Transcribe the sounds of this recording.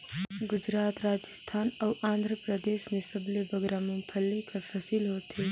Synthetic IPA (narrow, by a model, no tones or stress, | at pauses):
ɡʊd͡ʒɾɑːt̪ɾaːd͡ʒɪst̪ʰɑːnawãːnd̪ʱɾəpɾɐd̪eːʃmesɐbliboɡɾamumpʰɐlːikʰɐfɐsilɦot̪ʰe